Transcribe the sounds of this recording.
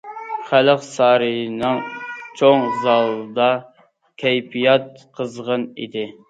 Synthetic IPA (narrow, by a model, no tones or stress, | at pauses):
χæləqsɑːɾɨnɨŋt͡ʃʰoŋzɑlˠɨd̪ɑ | kʲʰɛjpʰijɑt̪̚qʰəzʁənḭd̪ɪ